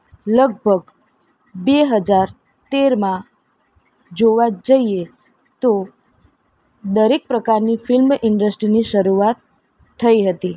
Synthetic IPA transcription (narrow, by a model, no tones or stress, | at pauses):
ləɡ̚bʱəɡ | beɦəd͡ʒaɾ | t̪eɾmã | d͡ʒoʋad͡ʒəie | t̪o | d̪əɾek̚pɾəkaɾnifɪlmɪɳɖəsʈɾiniʃəɾuat̪ʰː | əiɦət̪i